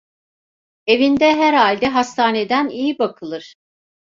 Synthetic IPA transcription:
e̞vind̪ɛɦæɾalʲd̪ɛɦast̪ʰaːne̞d̪ænijibakʰɯlˠɯɾ̥

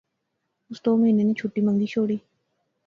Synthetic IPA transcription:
ust̪ominenĩt͡ɕʰuʈːimaŋd̪iɕoɽi

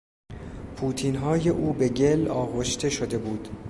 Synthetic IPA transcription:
pʰuːt̪ʰiːnɦɒːje̞ʔuːbe̞ɟe̞lɒːɣoʃt̪e̞ʃod̪e̞buːd̪

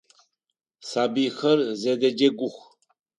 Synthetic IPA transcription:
sabixərzɛd̪ɛd͡ʒeɡʷuxʷ

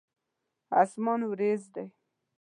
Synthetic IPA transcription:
a̰smɑnwɾezd̪aj

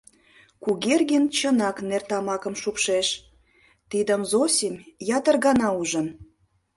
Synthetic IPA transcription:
kuɣerɣent͡ɕənɑknert̪ɑmɑkə̆mʃupʃeʃ | t̪id̪əmzosʲimʲjɑt̪ərɣɑnɑuʒən

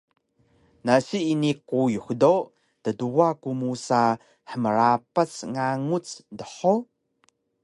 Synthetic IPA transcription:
nasiːnikujuxdo | təduakumusa | ħəməɾapasŋaŋut͡sdəħo

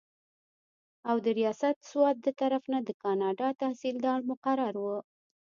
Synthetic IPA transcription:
awd̪əɾijɑsat̪swɑt̪̚d̪ət̪aɾafnad̪əkɑnɑɖɑt̪ahsild̪ɑɭmʊqaɾaɾwə

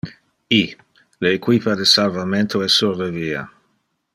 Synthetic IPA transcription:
i | leːkwipad̪esalvament̪ʰoɛsːurdeviːa̰

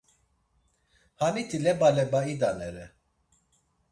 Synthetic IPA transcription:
hanit̪ʰilɛbalɛbaid̪anɛɾɛ

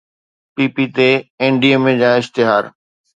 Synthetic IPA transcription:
piːpit̪eẽːɳɖiəmẽd͡ʑaːɪʃt̪ɪɦaːɾ

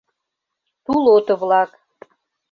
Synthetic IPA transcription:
t̪ulot̪ə̆βlɑk

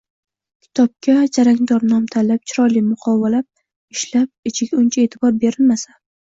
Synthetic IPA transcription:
kʲʰɪ̥t̪ʰɒp̚kʲʰad͡ʒaɾaŋʲd̪ɒɾnɒmt̪ʰalap̚t͡ʃʰɪɾɒlimʊqʰɒvalap̚ | ɪʃlap̚ɪt͡ʃʰɪɡʲaʊnt͡ʃʰae̞t̪ʰɪbɒɾbe̞ɾɪlmasa

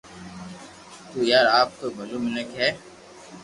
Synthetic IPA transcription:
t̪uːjaːɾaːp̚t̪oɡʱolumɪnəkɦɛː

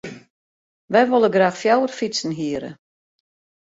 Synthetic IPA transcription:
ʋɛjʋolˠəɡraːxfjawərfit͡sən̩ɦiəɾə̰

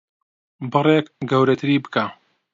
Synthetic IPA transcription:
bɨrˤekɡɐwɾɐt̪ʰɨɾiːbɨkʰaː

